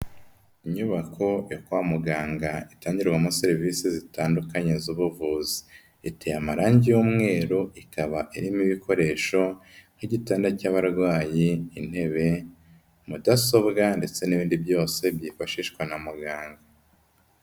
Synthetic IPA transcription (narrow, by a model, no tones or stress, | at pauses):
iɲuβakʰo̞jokwaːmuɡaːŋɡaitaːɲɟiɾɡwamoseɾiviːsizitaːndukaɲezuβuvuːzi̥ | itejamaɾaːɲɟijuːmŋe̞ːɾuikaβaʔiɾimiβikʰo̞ɾe̞ːʃo̞n̥hiɟitaːndacaβaɾɡwaːjiːn̥he̞βe̞ | mudaso̞bɡande̞t͡se̞niβiːndibjo̞ːse̞bjiːfaʃiʃɡwanamuɡaːŋɡa